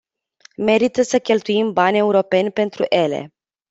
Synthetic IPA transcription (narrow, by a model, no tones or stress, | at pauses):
me̞ɾit̪əsəkʲe̞lt̪uimbanʲe̞uɾo̞pe̞nʲpe̞nt̪ɾṵʔe̞lḛ